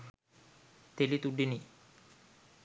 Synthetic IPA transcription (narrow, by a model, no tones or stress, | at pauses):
t̪elit̪uɖːini